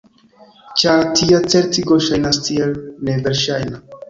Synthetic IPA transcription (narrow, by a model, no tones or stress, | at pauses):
t͡ʃatʰiat͡se̞ɾtiɡoʃajnastʰielneve̞ɾʃajna